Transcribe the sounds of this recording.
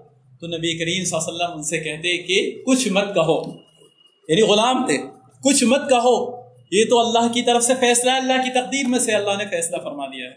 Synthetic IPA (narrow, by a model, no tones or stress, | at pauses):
t̪onɐbiekɐɾiːmsɐsɐlːəmʊnsekɛɦt̪eɦɛ̃kekʊt͡ʃʰmɐt̪̚kɐɦoː | jaːniɣʊlaːmt̪eː | kʊt͡ʃʰmɐd̪̚kɐɦo | jet̪oɐlːaːɦkit̪ɐɾəfsefɛːslaɛɐlːaɦkit̪ɐq̚d̪iːɾmẽseɐlːaɦnefɛːslafɐɾmaːlijaɦɛː